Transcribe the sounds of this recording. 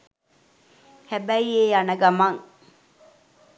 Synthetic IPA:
hæbæieːanɐɡɐmɐŋ

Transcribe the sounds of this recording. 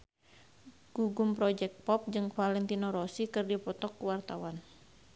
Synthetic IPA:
ɡ̥uɡumpɾɔd͡ʒɛk̚t̪̚pɔp̚d͡ʒɨŋfalɛnt̪inɔɾɔsikɨrdipɔt̪ɔkːuwart̪awan

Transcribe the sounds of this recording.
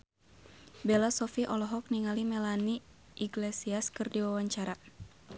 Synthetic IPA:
bɛlasɔfiʔɔlɔɦɔk̚niŋalimɛlani | ʔiɡlesiaskɨrdiwawaɲt͡ʃaɾa

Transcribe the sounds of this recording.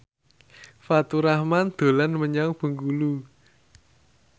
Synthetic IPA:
fat̪uɾahmand̪̥o̤lanməɲaŋb̥ə̤ŋɡulu

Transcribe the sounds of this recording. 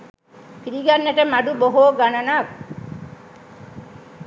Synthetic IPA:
piɾiɡanːeʈəmaɖuboɦoːɡanɐnak

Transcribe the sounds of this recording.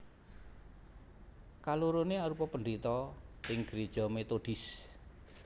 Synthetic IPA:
kaluɾoneaɾupɔpəndit̪ɔɪŋɡ̥əɾed̥ʒ̥ɔ̤met̪oɖ̥ɪ̤s

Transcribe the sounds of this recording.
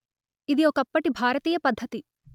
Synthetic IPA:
id̪iokɐpːɐʈibʱaːɾɐt̪iːjɐpɐd̪ʱːɐt̪i

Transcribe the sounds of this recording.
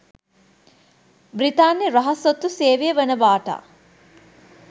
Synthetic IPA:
bɾit̪aːnjeɾɐɦɐsot̪ːuseːʋijəʋənəbaːʈa̰ː

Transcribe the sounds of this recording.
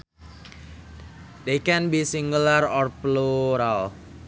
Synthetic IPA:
d̪ekɛnbisiŋɡularɔrpluɾal

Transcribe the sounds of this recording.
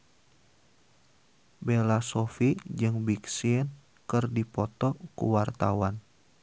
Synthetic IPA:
belasɔfid͡ʒɨŋbiksiən | kɨrdipɔt̪ɔkṵwart̪awan

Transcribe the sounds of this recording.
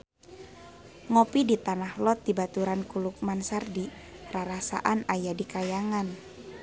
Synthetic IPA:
ŋɔpidit̪anahlɔt̪̚dibat̪uɾankuluk̚mansardi | raɾasa̰ʔanajadikajaŋan

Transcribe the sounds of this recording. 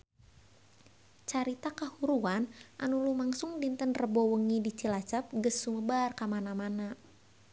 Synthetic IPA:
t͡ʃaɾit̪akahuɾuanʔanulumaŋsʊŋdint̪ənrəbɔwəŋidit͡ʃilat͡ʃap̚ɡəsːuməbarkamanamana

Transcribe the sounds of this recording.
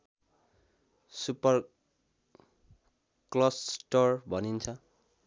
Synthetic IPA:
supʌr | klʌssʈʌrbʱʌnint͡sʰʌ

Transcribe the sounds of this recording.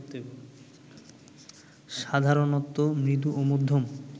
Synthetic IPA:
t̪e | ʃad̪ʱaɾonɔt̪ːomɾit̪̬uʔomod̪ʱːom

